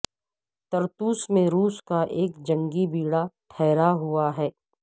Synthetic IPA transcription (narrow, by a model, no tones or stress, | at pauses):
t̪ɐɾt̪uːsmẽɾuːskaʔeːkd͡ʒɐ̃ŋɡibiːɽaʈʰɛːɾaɦʊaɦɛː